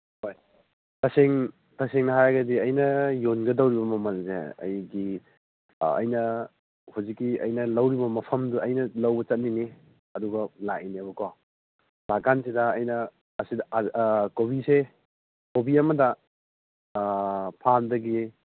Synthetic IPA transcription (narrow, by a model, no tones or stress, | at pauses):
hoj | tʰɐseŋ | tʰɐseŋnɐɦajɡɐdiɐjnɐjonɡɐdɐwɾibɐmɐmɐlzḛɐ̰jɡi | ɐ̰jnɐ | huzikːiɐ̰jnɐlɐwɾibɐmɐpʰɐmduɐjnɐlɐwbɐt͡ʃɐt̚nini | ɐduɡɐlainiɐbɐko | lakansidɐːjnɐː | sidɐkobise | kobiɐmɐdɐ | pʰandɐɡi